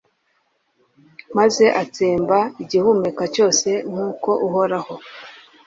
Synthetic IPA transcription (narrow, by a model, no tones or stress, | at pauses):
maze̞ʔat͡seːmbaiɟihumekaco̞ːse̞ŋ̥uːko̞ʔuɦo̞ɾaho̞